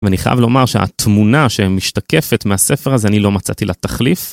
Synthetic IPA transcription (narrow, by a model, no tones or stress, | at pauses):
veaniχaja̰vlo̞maʁʃea̰t̪munaʃemiʃtake̞fe̞t̪measefeʁazeanilo̞mat͡sa̰t̪ilʔat̪aχlif